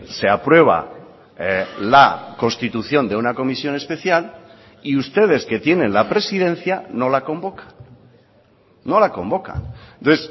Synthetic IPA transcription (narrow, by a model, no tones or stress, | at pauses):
se̞apɾwe̞β̞a̰ | lako̞nst̪it̪uθjo̞nd̪eunako̞misjo̞ne̞spe̞θjal | iust̪e̞ð̞e̞ske̞t̪je̞nẽ̞nlapɾe̞sið̞ẽ̞n̟θjano̞lako̞mbo̞kḁn | o̞lako̞mbo̞ka̰noes